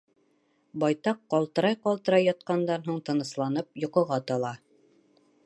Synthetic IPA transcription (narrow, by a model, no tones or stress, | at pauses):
bɑjt̪ɑqːɒlˠt̪ɤ̆ɾɑjqɒlˠt̪ɤ̆ɾɑjːɑt̪̚qɑnd̪ɑnɦuɴt̪ɤ̆nɤ̆slˠɑnɤp̚jŏqɤ̆ʁɑt̪ɑlˠɑ